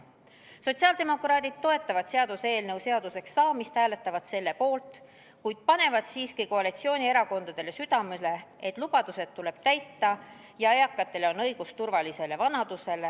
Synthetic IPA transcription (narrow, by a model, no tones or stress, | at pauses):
so̞t̪ʲsiɑld̪e̞mo̞krɑːd̪̥id̪̥̚t̪ːo̞e̞t̪ːˑɑvɑd̪̥se̞ɑd̪̥use̞ːlne̞wse̞ɑd̪̥use̞ksːɑːmist̪hæːle̞t̪ːˑɑvɑd̪̥se̞lːe̞po̞ːlt̪ˑ | kujd̪̥̚pɑne̞vɑd̪̥siːskiko̞ɑlit̪sio̞ːnʲie̞ɾɑko̞nd̪̥ɑd̪̥e̞le̞syd̪̥ɑmele̞et̪ˑlub̥ɑd̪̥use̞d̪̥̚t̪ːule̞b̥̚t̪æjt̪ːɑ | jɑejɑkːˑɑt̪ːˑe̞leo̞nɤjɡ̥ust̪urvɑlise̞le̞vɑnɑd̪̥use̞le̞